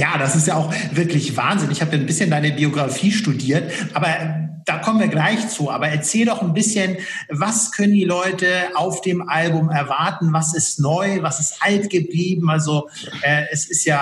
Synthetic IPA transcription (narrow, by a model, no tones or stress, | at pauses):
jaːdasɪstjaːaʊxv̥ɪɐklɪçv̥a̰ːnzɪnɪçhaːbəjaːnbɪsçəndaɪnəbioɡʁafiːʃtudiːɐtʔaːbɐd̥aːkʰɔmənviːɐɡlaɪçt͡suːʔa̰ːbɐɛɐt͡sɛːldɔχn̩bɪsçən | vaskʰœnəndiːlɔʏtəʔaʊfd̥eːmʔalbʊmɛɐvaɐtn̩vasɪstnɔʏvasɪstʔaltɡ̥əbliːbm̩ʔalzo | ʔɛːɛsɪstjaː